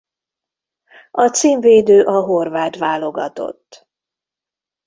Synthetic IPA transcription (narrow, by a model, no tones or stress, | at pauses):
ɒt̪siːɱveːd̪øːʔɒɦo̞rvaːt̪ʋaːlo̞ɡɒ̰t̪o̞̰t̪ː